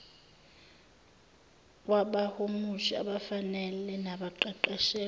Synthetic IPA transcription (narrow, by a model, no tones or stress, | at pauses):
k̬ʼwaɓahomuʃa̰ɓafanɛlɛnaɓaǃaǃaʃɛː